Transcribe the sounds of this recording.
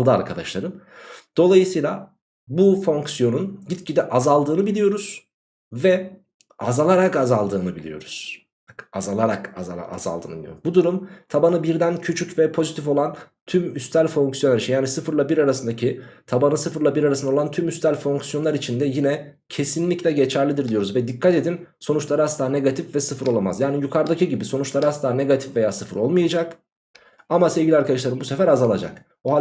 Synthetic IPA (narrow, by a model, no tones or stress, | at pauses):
alˠd̪ɯa̰ɾkʰad̪aʃlˠaɾɯmd̪̥o̞lˠajɯsɯjlʲˠa | bufo̞ŋksjo̞nunɟit̪cid̪ɛʔazalˠd̪ɯːnɯbilʲijo̞ɾuz̥ | vɛ | a̰zalˠaɾakazalˠd̪ɯːnɯbilʲḭjo̞̰ɾuz̥ | azalˠaɾakazaa̰a̰za̰lˠd̪ɯ̰ːnɯbilʲij̰o̰bud̪uɾumt̪ʰabanɯbiɾd̪æncʰyt͡ʃʰycvɛpʰo̞zit̪ifo̞lˠant̪ʰymyst̪ælʲfo̞ŋksjoaɾit͡ʃʰinjaːnisɯfɯɾlˠabiɾaɾasɯnd̪acʰit̪ʰabanɯsɯfɯɾlˠabiɾaɾasɯnolˠant̪ʰymyst̪ʰælʲfo̞ŋksijo̞nˠaɾit͡ʃʰind̪ɛjinɛ | cʰe̞sinlʲiclʲɛɟe̞t͡ʃʰæɾlʲid̪iɾd̪ijo̞ɾuzvɛd̪ikʰːat̪e̞d̪in | so̞nut͡ʃlˠaɾɯast̪aːne̞ɡat̪ʰifvɛsɯfɯɾo̞lˠama̰zjaːnijukʰaɾd̪acʰiɟibiso̞nut͡ʃlˠaɾɯhast̪ˠaːne̞ɡat̪ʰi̥fve̞jaːsɯfɯɾo̞lˠmajad͡ʒak | amase̞vɟʲilʲiaɾkad̪aʃ̬lˠaɾɯmbusefæɾazalˠad͡ʒa̰k | oɦa